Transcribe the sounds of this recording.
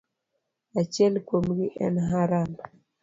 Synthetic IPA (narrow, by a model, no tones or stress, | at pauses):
at͡ʃɛlkwomɡɪʔɛ̰nɦaɾama